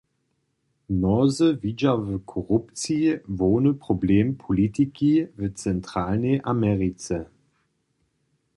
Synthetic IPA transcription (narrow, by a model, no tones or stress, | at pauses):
nɔzəvid͡ʒavəkʰɔʁupt͡sivoːnəpʁ̥obleːmpʰolitikivət͡sɛntʁ̥aːlneɪʔamɛʁit͡sə